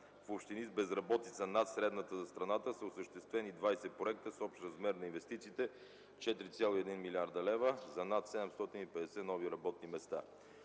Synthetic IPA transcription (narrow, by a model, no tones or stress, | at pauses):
fopʃt̪inizbɛzɾɐbɔt̪it̪sənat̪sɾɛd̪nət̪əzɐst̪ɾɐnat̪əsəosəʃt̪ɛst̪vɛnid̪vajsɛpɾoɛk̚t̪əsɔpʃt̪ɾɐzmɛɾnɐinvɛst̪it̪siːt̪ɛ | t͡ʃɛt̪ɾit̪sʲjalˠoiɛd̪inmilʲiaɾd̪əlɛvəzɐnat̪sɛd̪ɛmst̪ɔt̪inipɛd̪ɛsɛnɔviɾɐbɔt̪nimɛst̪a̰